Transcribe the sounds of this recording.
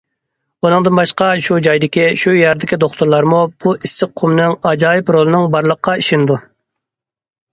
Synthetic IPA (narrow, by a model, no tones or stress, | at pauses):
unɨŋd̪ɨnbɑʃqɑʃud͡ʒɑjd̪ɪkʲiʃujæɾd̪ɪkʲid̪oχt̪ʰuɾlˠɑɾmub̥uʔisːɨqʰːumnɨŋɑd͡ʒɑːjɨpɾolˠɨnɨŋbɑɾlˠəqʰːɑiʃɪnɨd̪u